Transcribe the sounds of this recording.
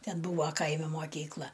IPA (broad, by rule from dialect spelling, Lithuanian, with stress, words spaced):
ˈtʲɛn ˈbuːʋɐ ˈkɐɪmʲɪ moːˈkʲiːklˠɐ